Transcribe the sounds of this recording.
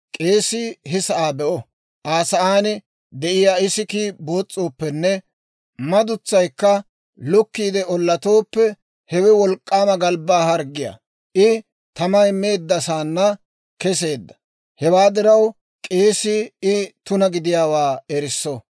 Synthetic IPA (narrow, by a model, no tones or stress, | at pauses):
kʼe̞ːsɪɦɪsɐʔaːbɛʔɔ | ʔaːsɐʔaːnɪ | d̪ɛʔɪjaːɪsɪkibo̞ːt͡sʼːoːpːɛnːɛ | mɐd̪ʊt͡sːɐjkːɐ | lʊkːiːd̪ɛɔlːɐt̪o̞ːpːɛ | hɛwɛwɔlkʼːaːmɐɡɐlbaːhɐɾɡɪja̰ː | ʔɪ | t̪ɐmɐjme̞ːd̪ːɐsaːnːɐ | kɛs̬e̞ːd̪ːɐ̥ | hɛwaːd̪ɪɾɐw | kʼeːsɪɪt̪ʊnɐɡɪd̪ɪjaːwaːɛɾɪsːɔ